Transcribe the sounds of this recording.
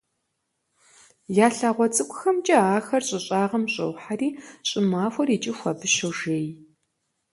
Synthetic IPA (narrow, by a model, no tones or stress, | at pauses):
jaːɬaːʁʷɔt͡sʼɨkʷʼʊxɐmt͡ʃʼɐaːxɐrɕʼɪɕʼaːʁɐmɕʼɐ̰wħariːɕʼɪmaːxʷɔriːt͡ʃʼɪxʷɐbɨʃowʒeːj